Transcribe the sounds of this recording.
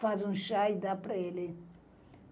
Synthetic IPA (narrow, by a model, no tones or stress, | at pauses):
fazũʃajd̪apɾɐelɪ